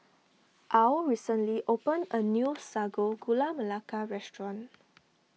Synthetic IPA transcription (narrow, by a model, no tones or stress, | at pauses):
ʔawɹisə̃nliʔopə̃nənjusaɡoɡulaməlakaɹɛstɹɔ̃n